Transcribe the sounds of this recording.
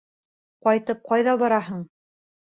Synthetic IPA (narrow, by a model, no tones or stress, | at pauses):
qɒjt̪ɤp̚qɑjðɑβɑɾɑɦɤɴ